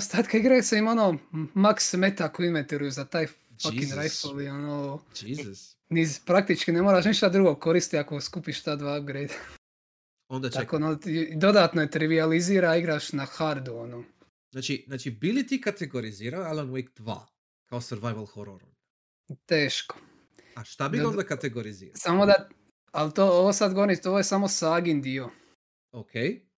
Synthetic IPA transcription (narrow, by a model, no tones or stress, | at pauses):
ost̪aːt̪kaiɡɾajuseimo̞noːmaksmet̪akoinʋent̪iɾujuzat̪aːj | fainɾajsfolionoːd͡ʒizs | nizpɾakt̪it͡ʃkinemoːɾaːʃ̬niʃt̪ad̪ɾuɡokoɾist̪iakoskuːpiʃt̪aːd̪ʋaːɡɾejd̪a | ond̪at̪akonod̪o̞d̪aːt̪nojet̪ɾiʋializiːɾaiɡɾaʃnaxaɾd̪uono | znaːt͡ʃiznaːt͡ʃibilit̪ikat̪eɡoɾiziːɾaoalonwikd̪̥ʋa̰ː | kaosəɾʋajʋalˠxoɾoɾon | t̪eːʃko̥ | aʃt̪abiond̪akat̪eɡoɾizḭːɾasamod̪a | alt̪oːoʋosad̪ɡo̞ʋoɾimt̪oʋojesamosaːɡind̪io | okʰej